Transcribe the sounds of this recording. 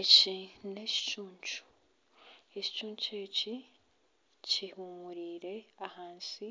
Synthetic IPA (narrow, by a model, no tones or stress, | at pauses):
ecine̞ci̥cuːɲt͡ʃu̥ | eci̥cuːɲt͡ʃeci | cihuːmuɾiːɾe̞ahaːnsi